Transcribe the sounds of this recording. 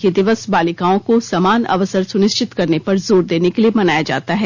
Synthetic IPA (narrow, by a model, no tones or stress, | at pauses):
ked̪ɪʋəsbaːlɪkaːõkosɐmaːnɐ̰ʋəsəɾsʊnɪʃt͡ʃɪt̪kɐɾnepɐɾzoːɾd̪eːnekeliemɐnaːjad͡ʒa̰ːt̪aɦɛː